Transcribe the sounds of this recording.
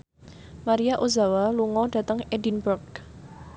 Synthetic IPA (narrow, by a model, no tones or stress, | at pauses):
maɾiaʔoza̤waluŋɔd̥ä̤t̪əŋedinbʊrɡ